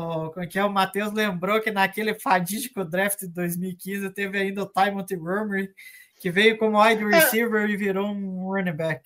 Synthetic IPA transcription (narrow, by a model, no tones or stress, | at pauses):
kõkɛʊmat̪ewzlẽmbɾokɪnakelɪfad͡ʒid͡ʒikʊd̪ɾɛft͡ʃ̪ɪd̪ɪd̪ojzmiwikĩzɪt̪evɪaĩnd̪ɐʊt̪ajmõt̪ɪɡomekɪvejʊkõmʊajd̪ɪɾisiveɾɪviɾoũonĩbɛk